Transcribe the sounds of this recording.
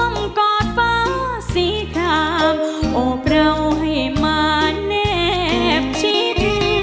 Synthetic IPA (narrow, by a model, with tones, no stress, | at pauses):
mkɔː˧˩t̪̚pa˧ | si˧˦t̪ʰa˧˩p̚o˧˩pɾa˧wɦɐ˧˩maː˧nɛ˧˥p̚t͡ɕʰi˧˦t̪